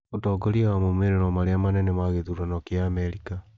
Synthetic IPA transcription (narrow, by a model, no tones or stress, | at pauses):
otɔːɡɔɾiawamomeɾeɾɔmaɾeamanɛnɛmaɣeðuɾanɔkeaːmɛɾika